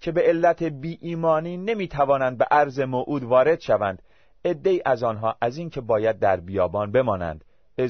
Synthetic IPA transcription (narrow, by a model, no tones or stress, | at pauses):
cʰe̞beelːæt̪ʰebiːʔiːmɒːniːne̞miːt̪ʰævɒːnænd̪̚beʔæɾze̞moʔuːd̪vɒːɾe̞d̪̥ʃævænd̪̥ | e̞d̪ːe̞iːʔæzɒːnɦɒːʔæziːncʰe̞bɒːjæd̪̚ːæɾbijɒːbɒːnbe̞mɒːnæ̰nd̪̥ | e